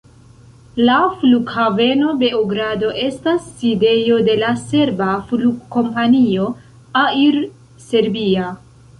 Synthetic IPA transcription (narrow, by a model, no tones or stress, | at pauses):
lafluɡhave̞no̞be̞oɡɾado̞ʔe̞stasːide̞jo̞de̞lase̞ɾbafluɡkːo̞mpanio̞ | aiɾ | se̞ɾbia